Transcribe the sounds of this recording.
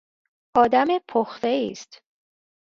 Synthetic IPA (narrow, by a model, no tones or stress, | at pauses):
ʔɒːd̪æmepʰoxt̪eiːst̪